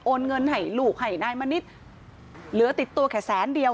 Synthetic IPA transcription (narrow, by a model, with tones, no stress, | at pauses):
ʔoː˧nŋɤ˧nha˨˩jluː˨˩k̚ha˨˩jnaː˧jmaː˧ni˦˥t̪̚ | lɯ˨˩˦ət̪i˨˩t̪ːu˧ɐkʰɛː˨˩sɛː˨˩˦ndi˧əw